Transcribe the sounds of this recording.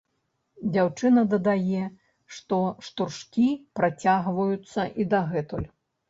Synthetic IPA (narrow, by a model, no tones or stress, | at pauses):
d͡zʲawt͡ʂɨnɐd̪ɐd̪ajɛ | ʂt̪ɔʂt̪urʂkʲipɾat͡sʲaɣvɐjut̪sːɐʔid̪aɣɛt̪ulʲ